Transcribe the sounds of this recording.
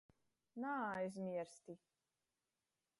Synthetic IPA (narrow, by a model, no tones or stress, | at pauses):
naːajzmʲiɛɾst̪i